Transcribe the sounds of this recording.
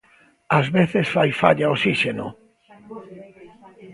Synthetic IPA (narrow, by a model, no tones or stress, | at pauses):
azβeθesfajfaʎaosiʃeno